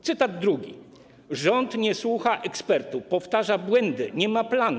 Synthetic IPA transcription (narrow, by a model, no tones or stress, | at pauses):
t̪sɘt̪ad̪̚ːɾuɡʲḭ | ʐɔnt̪ɲɛswuxaʔɛkspɛɾt̪upɔft̪aʐabwɛnd̪ɘɲɛmaplan